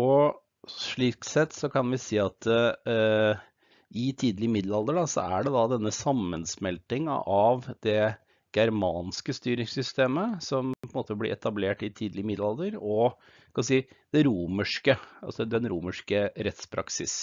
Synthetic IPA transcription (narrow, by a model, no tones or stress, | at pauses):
ɔ | ʂɭiːk̚t̪sɛt̪ːsɔkʰɑnʋɪseːɑt̪ | ɪt̪ʰiːd̪lɪəmɪd̪lɑld̪əɖɑsɔ̰æ̰ɖɛd̪ɑd̪ɛnːəsɑmːənsmɛlt̪ɪŋə̰ʔɑʋd̪̥ɛ | ɡ̥æɾmɑːnskəst̪yːɾɪŋsʏst̪eːməsɔmpʰɔnmoːt̪əblɪ̰ʔɛt̪ɑbleːʈɪt̪ʰiːd̪lɪəmɪd̪lɑlˠd̪əɾɔ | kʰɑnsiːd̪̥ɛɾuːməʂkəɑ̰sɔd̪ɛnɾuːməʂkəɾɛt̪spʰɾɑ̰ksɪ̰s